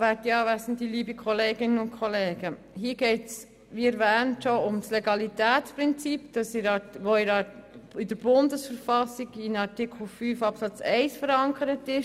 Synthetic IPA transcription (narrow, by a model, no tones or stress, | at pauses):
ʋætiɑːʋæsəntiliːbikʰχoleːɡɪnənʊntkʰoleːɡ̥ə | hiːəɡ̥ɛɪts | ʋiɛɾʋæːntʃoʊmsleɡɑlitæːt͡spʁɪnt͡sipd̥ɑsɪɾɑʋoɪɾɑidəɾb̥ʊndəsfəɾfɑsːiɡɪnɑɾtɪkʰl̩fyːfɑpsɑt͡sɛɪsfəɾɑŋkʰəɾətɪʃ